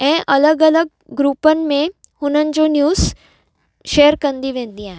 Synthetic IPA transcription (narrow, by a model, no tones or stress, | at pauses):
ɛ̃ːʔɐləɡələɡ̚ɡɾuːpənmẽ | hʊnənd͡ʒonjuːz | ʃeːəɾkə̃nd̪iʋẽːnd̪iɦãː